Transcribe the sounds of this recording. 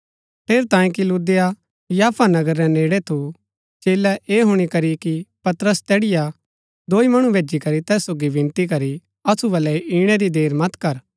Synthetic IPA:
pʰeːɾt̪ãːĩkiluːd̪eja | jaːpʰanɐɡəɾːɛneːɽɛt̪ʰu | t͡ʃeːlɛʔeːɦʊɽ̃ikɐɾikipɐt̪ɾəst̪ɛːɽɪja | d̪oːimɐɽ̃ũʋʱeːd͡ʒikɐɾit̪ɛːsoːɡibɪ̃nt̪ik̬ɐɾi | ɐsubɐlːɛʔiːɽ̃ɛɾid̪eːɾmɐt̪kɐɾ

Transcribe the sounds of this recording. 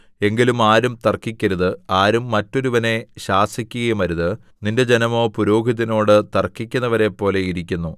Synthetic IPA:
e̞ŋɡilumaːɾumt̪ɐrkːikʲːɐɾuðɨaːɾumːɐtːo̞ɾuʋɐne̞ɕaːsikʲːuɣɐjumɐɾuðɨ | ninde̞d͡ʑenɐmo̞ːpuɾo̞ːɡiðːino̞ːɽɨt̪ɐrkːikʲːunːɐʋɐɾe̞pːo̞ːle̞iɾikʲːunːu

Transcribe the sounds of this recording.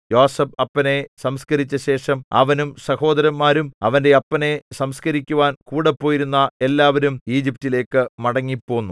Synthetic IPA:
joːsɐbɐpːɐne̞sɐmskɐɾit͡ɕːɐɕe̞ːʂɐmɐ̰ʋɐnumsɐho̞ːd̪ɐɾɐmːaːɾumɐʋɐnde̞ɐpːɐne̞sɐmskɐɾikʲːuʋaːnkuːɽepːo̞ːjiɾunːɐe̞lːaːʋɐɾumiːd͡ʑip̚tile̞ːkːɨmɐɽɐŋːipːo̞ːnːu

